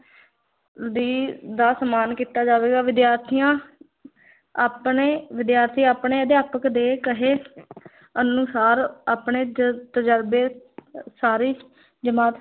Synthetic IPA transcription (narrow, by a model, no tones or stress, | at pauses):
d̪iːd̪aːsəmaːnkiːt̪aːd͡ʒaːʋeːɡaːʋɪd̪jaːɾt̪ʰijãː | aːpneːʋɪd̪jaːɾt̪ʰiːaːpɳeːəd̪eaːpəkd̪eːkəɦeː | ənũsaːɾaːpɳeːt̪əd͡ʒəɾbeːsaːɾiː | d͡ʒəmaːt̪